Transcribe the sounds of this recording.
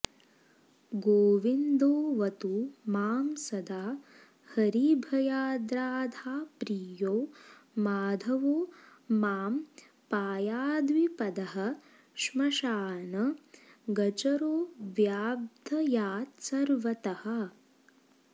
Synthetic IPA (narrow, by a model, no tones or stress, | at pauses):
ɡoːʋind̪oːʋɐt̪umaːmsɐd̪ʱaː | hɐɾibʱɐjaːd̪ɾaːd̪ʱaːpɾiːjoːmaːd̪ʱɐʋoːaːm | paːjaːd̪ʋipɐd̪ɐɦɐ̆ | ʃmɐʃaːnɐɡɐt͡ʃɐɾoːʋjaːb̚d̪ʱɐjaːt̪sɐɾʋɐt̪ɐhɐ̆